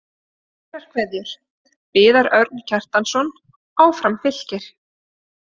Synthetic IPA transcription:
ɛr̥kʰvɛðjʏɾ̥ | pɪːðaɾœɾt̪̚ncʰɛr̥t̪ansɔn | aːwfɾamfɪl̥cɪɾ̥

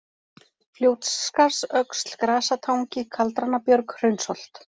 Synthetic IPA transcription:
fljoːwt̪sːkaɾ̥sœkst̪l̥kɾaːsat̪ʰaːwŋcɪkʰalt̪ɾanːapjœɾkr̥œɥnsɔl̥t̪

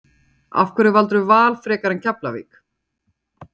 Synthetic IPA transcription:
a̰fkvɛɾɪvalt̪̬ɾʏvaːlfɾɛːkaɾɛncʰaplavḭːk

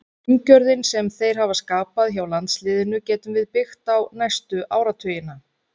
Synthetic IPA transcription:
ɲcœɾðɪnsɛmθejɾ̥hɦavaskaːpaðçawlant̪slɪːðɪnʏcɛːt̪ʏmvɪðpɪxt̪awnajst̪ʏʔaːwɾat̪ʰʏːjɪna

